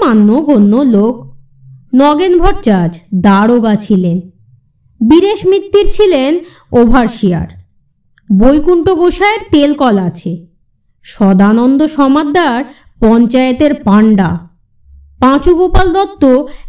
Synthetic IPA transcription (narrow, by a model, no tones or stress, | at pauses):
anːoɡonːolok̚ | nɔɡenbʱɔɾt͡ɕad͡ʑd̪aɾoɡat͡ɕʰilen | biɾeʃmɾit̪ːiɾt͡ɕʰilen | obʱaɾʃia̰ɾ | bojkuɳʈoɡoʃaeɾt̪elkɔlaat͡ɕʰe | ʃɔd̪anɔnd̪oʃɔmad̪ʱːaɾ | pɔnt͡ɕaet̪eɾpaɳɖa̰ | pãt͡ɕuɡopald̪ɔt̪ːo